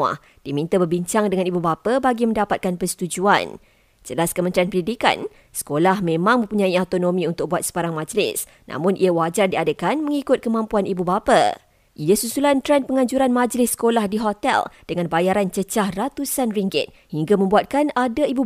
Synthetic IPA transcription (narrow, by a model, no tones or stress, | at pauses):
a̰h | d̥imĩnt̪abərbiɲt͡ʃaŋdəŋãnibubapabaɡimə̃ndapat̪̚kanpəsə̥t̪ud͡ʒua̰n | d͡ʒəlaskəmənt̪ɾianpəndidika̰n | sə̥kolahmẽmãŋmə̃mpuɲãiawt̪onõmĩunt̪ʊk̚buat̪̚sə̥baɾaŋmãd͡ʒlɪ̰s | nã̰mʊ̃nʔḭawad͡ʒardiadəkanməŋikʊt̪̚kəmãmpuanibubapa̰ | ʔiasusulant̪ɾɛnpəŋãɲd͡ʒuɾanmãd͡ʒlɪsːə̥kolahdiɦot̪ɛ̰ld̥əŋãnbajaɾant͡ʃət͡ʃahrat̪usanriŋɡɪ̰t̪̚hiŋɡamə̃mbuat̪̚kanadaibu